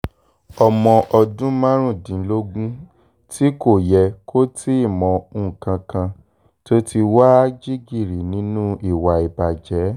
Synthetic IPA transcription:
ɔ˧mɔ̃˧ʔɔ˧dũ˦mã˦ɾ̃ũ˦˨dĩ˨˦lo˦ɡũ˦ | ti˦ko˦˨jɛ˧kʰo˦ti˦i˦˨mɔ̃˨˦˨kã˧kã˧ | to˦tʰi˧wa˦d͡ʒi˦ɡi˦˨ɾi˨nĩ˨˦nũ˦i˦˨wa˨i˨ba˨d͡ʒɛ˨˦

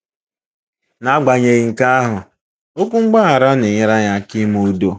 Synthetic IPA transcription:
na˦ɡ͡ba˨ɲe˨ɣi˨ŋ̩˨ka˦a˦ɦʊ˨ | o˦kʷu˦ŋ͡m̩˦ɡ͡ba˦a˨ɾa˦ne˨ɲɪ˦ɾa˦ɲa˦˨kɪ˦mu˦do˦

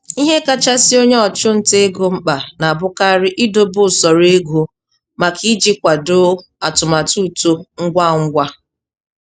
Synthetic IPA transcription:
i˦ɦe˦ka˦t͡ʃa˦sɪ˦o˦ɲe˦ɔ˨t͡ʃʊ˦n̩˨te˦ɡo˦ŋ͡m̩˦k͡pa˨na˨bʊ˦ka˦ɾɪ˦ʔɪ˦do˦bʊ˦˨sɔ˨ɾe˦ɡu˨ | ma˨kʰi˦d͡ʒi˦kʷa˨do˦ | a˨tʊ˨ma˨tu˦tu˦ŋ̩˦ɡʷa˦˨ŋ̩˦ɡʷa˦

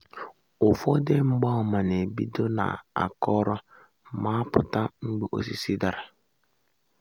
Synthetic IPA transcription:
ʊ˨fɔ˦de˦ŋ͡m̩˦ɡ͡ba˦ɔ˨ma˨ne˨bi˦do˦na̰˨a̰˨kɔ˦ɾɔ˦ | ma˦pʊ˨ta˦ŋ͡m̩˦ɡ͡be˦ʔo̰˦s̬i˦si˦da˨ɾa˨

